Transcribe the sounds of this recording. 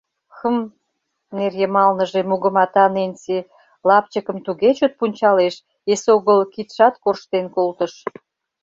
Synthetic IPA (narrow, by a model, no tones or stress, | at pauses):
xəm | nerjəmɑlnəʒemuɣə̆mɑt̪ɑnense | lɑp̚t͡ɕəkə̆mt̪uɣet͡ɕot̪̚punʲt͡ɕɑleʃ | esoɣəlkit̪ʃɑt̪korʃt̪enkolt̪əʃ